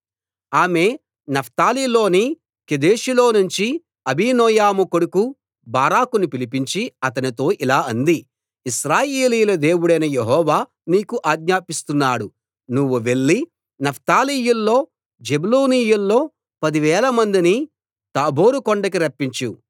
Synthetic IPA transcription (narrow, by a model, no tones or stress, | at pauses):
aːme̞ː | nɐpʰt̪aːliːlo̞ːni | ked̪eːʃilo̞ːnuɲt͡ʃi | ɐbiːnɔːjaːmukoɽuku | baːɾaːkunipilipiɲt͡ʃiɐt̪ɐnit̪o̞ːʔilaːɐnd̪i | iʃɾaːjeːliːlɐd̪e̞ːwuɽɐjnɐjeɦɔːʋaː | niːkuʔaːɡɲaːpist̪unːaːɽu | nuʋːuʋe̞ɭːi | nɐpʰt̪aːliːjulːo̞ː | d͡ʒebuluːniːjulːo̞ː | pɐd̪iʋɛːlɐmɐnd̪ini | t̪aːbʱo̞ːɾukoɳɖɐk̬iɾɐpːiɲt͡ʃu